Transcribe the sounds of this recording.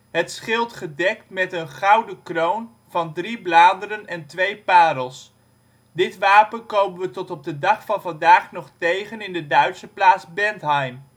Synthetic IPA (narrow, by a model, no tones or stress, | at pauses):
ɦətsχɪlˠtχədɛktmɛtənχɑwdəkrown | v̥ɑndriblaːdərənɛntʋejpaːdəlˠs | dɪtʋaːpənkowmənʋətɔtɔb̚dədɑχfɑnvɑndaːχnɔχtejχənɪndədœɥtsəplaːtzbɛntɦɑjm